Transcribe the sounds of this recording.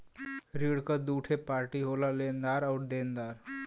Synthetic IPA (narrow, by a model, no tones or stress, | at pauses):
ɾiɽkad̪uːʈʰepaːɾʈiɦolalẽːnd̪aːɾɔːɾd̪eːnd̪aːɾ